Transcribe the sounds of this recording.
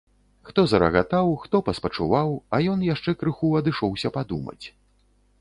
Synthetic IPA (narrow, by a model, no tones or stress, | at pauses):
xt̪ɔzɐɾɐ̰ɣat̪awxt̪ɔpɐspɐt͡ʂuvawɐjɔnjaʂt͡ʂɛkɾɨxuɐd̪ɨʂɔwsʲɐpad̪umɐ̰t͡sʲ